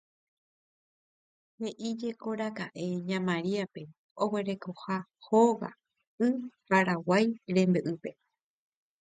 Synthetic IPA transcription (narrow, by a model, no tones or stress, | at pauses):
he̞ʔid͡ʒe̞ko̞ɾakaʔe̞ɲãmãɾiape̞ | o̞we̞ɾe̞ko̞hahoɣa̰ | ɨpaɾawajɾẽ̞mbɨʔɨpe̞